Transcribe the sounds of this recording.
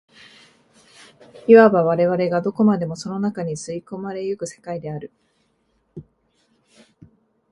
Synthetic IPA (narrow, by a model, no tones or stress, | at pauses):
iβabaβ̞aɾe̞βaɾe̞ɡad̪o̞ko̞mad̪e̞mo̞so̞no̞nakaɲ̟isɨiko̞maɾe̞jɯkɯ̟se̞̥kaid̪e̞aɾɯ̟